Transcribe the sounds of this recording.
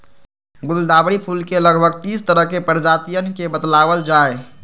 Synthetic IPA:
ɡʊlld̪abɽipʰulkeləɡbʱəɡt̪iːst̪əɾəɦkepəɾd͡ʒat̪ijənkebəd̪laʋəld͡ʒaːe

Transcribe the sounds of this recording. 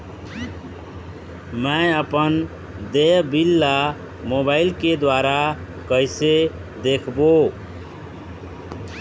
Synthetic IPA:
məəpən | d̪eɦbilːa | mobaɪlked̪waɾa | kəɪse | d̪ekʰbo

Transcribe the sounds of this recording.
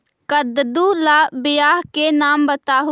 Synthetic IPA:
kəd̪d̪ulaːbɪjaːɦkenaːmbət̪aːɦu

